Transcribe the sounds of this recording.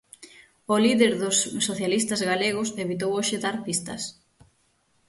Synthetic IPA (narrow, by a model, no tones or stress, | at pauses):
ʊliðeɾðʊsːoθjalist̪ɐzɣaleɣ̞ʊseβit̪owoʃɪðaɾpist̪ɐ̰s